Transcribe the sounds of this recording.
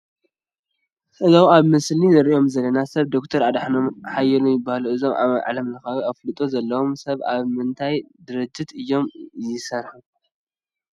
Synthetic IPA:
ʔʼɨzawaβmɨslizɨɾiʔo̞mzɐlɐnasɐβd̪okt̪ʰɐɾʕad̪ħnomħajɛlumjɪbːahluɨzo̞ma̰ʕa̰lɐmlɨxawiaflɨt̪ʼozɐlːɐwo̞msɐβa̰βmɨnt̪ʰajd̪ɨɾɨd͡ʒːit̪ɨjːo̞mjɪsɐɾħu

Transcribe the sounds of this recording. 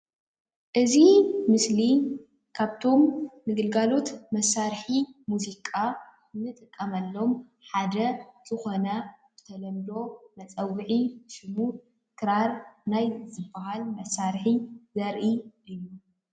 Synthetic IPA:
ʔɨzimɨsli | kʰaβt̪ʰo̞mnɨɡɨlɡalo̞t̪mɐsːaɾħimuzikʼa | nːɨt̪ʼɨkʼːɐmɐlːo̞m | ħad̪ɐz̥ɨxo̞nɐzɨt̪ʰɐlɐmd̪o̞nɐt͡sʼɐwːʕiʃɨmu | kʰɨɾaɾnajzɨbːɐɦalmɐsaɾħizɐɾʔiʔɨju

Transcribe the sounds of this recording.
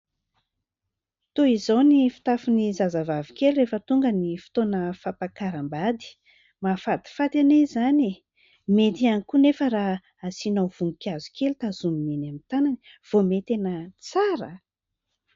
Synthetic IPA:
t̪oizawnifi̥t̪afunizazavavikeluɾefət̪uŋɡənifi̥t̪onəfapakaɾambad̪i̥ | mafat̪i̥fat̪anezane | met̪ianikunefəɾa | asinawv̥uŋukʲiazu̥kʰelt̪azuminenamint̪anani̥ | v̥omet̪enət͡saɾə̰

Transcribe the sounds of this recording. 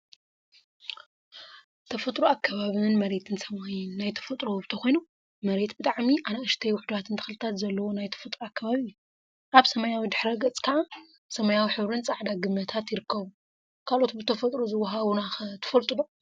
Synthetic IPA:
t̪ʰɐfɐt̪ʼɾuakʰːɐβaβɨnmɐɾe̞t̪ʰɨnsɐmajnːajt̪ʰɐ̥fɐt̪ʼɾobɨt̪ʰɐxo̞jnu | mɐɾe̞t̪bɨt̪ʼaʕmiʔanaɨʃt̪ʰɐjwʊħd̪uβat̪ʰɨnt̪ʰɨ̥xɨlɨt̪ʰat̪zɐlːɐwonajt̪ʰɐ̥fɐt̪ʼɾuakːɐβaβijːu | ʔaβsɐmɐjawid̪ɨħɾɐɡɐt͡sʼkʰaʔa | sɐmɐjawiħɨβɾɨnt͡sʼaʕd̪aɡɨmːɐt̪ʰat̪jɪɾɨkːɐβu | kʰalʔo̞t̪bɨt̪ʰɐfɐt̪ʼɾozɨwːaɦaβnaxɨt̪ʰɨ̥fɐlt̪ʼɨd̪o

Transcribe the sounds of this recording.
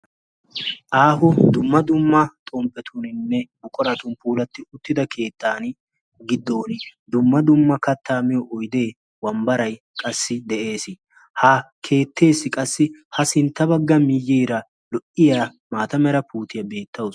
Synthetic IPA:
ʔaːɦʊd̪ʊmːɐd̪ʊmːɐt̪ʼɔmpʼːɛt̪ʰʊnɪnːɛbʊkʼɔɾɐt̪ʊnpuːlɐt̪ːɪʊt̪ːɪd̪ɐkʰe̞ːt̪ːaːn | ɡɪd̪ːoːnɪd̪ʊmːɐd̪ʊmːɐkɐt̪ʰːaːmɪjɔʔɔjd̪e̞ː | wɐmbɐɾɐj | kʼɐsːɪd̪ɛʔe̞ːsɪ | hɐkʰe̞ːt̪ːe̞ːsːɪkʼɐsːɪhɐsɪnt̪ːɐbɐɡːɐmɪjːiːɾɐ | lɔʔɪjaː | maːt̪ɐmɛɾɐpuːt̪ɪjɐbe̞ːt̪ːɐwɔs

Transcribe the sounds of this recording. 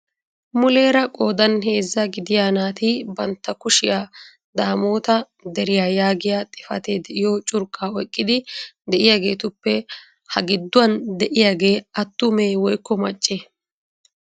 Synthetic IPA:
mʊle̞ːɾɐkʼo̞ːd̪ɐnɦe̞ːzːɐɡɪd̪ɪjaːnaːt̪ibɐnt̪ːɐkʊʃɪjaː | d̪aːmoːt̪ɐ | d̪ɛɾɪjaːjaːɡɪjaːt̪ʼɪfɐ̰t̪eːd̪ɛɪjoːt͡ʃʼʊɾkʼːaːɔjkʼːɪd̪ɪd̪ɛʔɪjaːɡe̞ːt̪ʊpːɛ | hɐɡɪd̪ːʊwɐnd̪ɛʔɪjaːɡe̞ːɐt̪ːʊmeːwɔjkːɔmɐt͡ʃʼːeː

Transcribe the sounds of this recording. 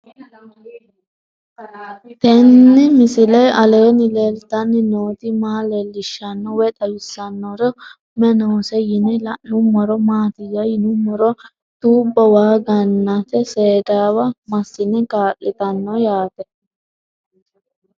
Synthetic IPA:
t̪ɛnːɪmɪsɪlɐjʔɐleːnɪlelt̪ɐnːɪnoːt̪ɪmaːlelːɪʃːɐnːɔwɛt̪ɐwɪsːɐnːɔɾɔ | mɛnoːsɛjɪnɛlɐʔnʊmːɔɾɔmaːt̪ɪjɐjɪnʊmːɔɾɔ | t̪uːbːɔwaːɡɐnːɐt̪ɛseːd̪aːwɐmɐsːɪnɛkaːlːɪt̪ɐnːɔjaːt̪ɛ

